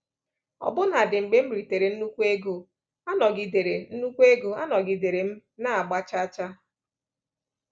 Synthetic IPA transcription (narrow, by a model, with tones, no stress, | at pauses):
ɔ̰˨bʊ˦na˨dɪ˨ŋ͡m̩˨ɡ͡be˦m̩˦ɾi˨te˨ɾe˨n̩˦nu˦kʷu˦e˦ɡo˨ | a˦nɔ˨ɡɪ˨de˨ɾe˨n̩˦nu˦kʷu˦e˦ɡo˨a˦nɔ˨ɡɪ˨de˨ɾe˨m̩˦na˦˨a˨ɡ͡ba˦t͡ʃa˦t͡ʃa˦